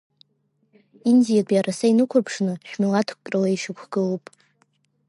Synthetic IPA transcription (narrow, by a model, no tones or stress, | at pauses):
indijapʼjaɾasainɨkʷʰapʰʂnɨʃᶣmilatʰkʷʼrʼalaiʂɨkʷʰɡ̥ɨlopʼ